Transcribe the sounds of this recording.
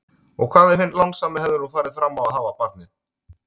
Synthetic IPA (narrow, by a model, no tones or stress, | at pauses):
ɔɣkʰv̥aːðɛ̥fɪnt̪lawŋsaːmɪhɛvðɪɾɔɣfaːjɾɪðfɾamːawaðɦaːvapaɾt̪̚nɪ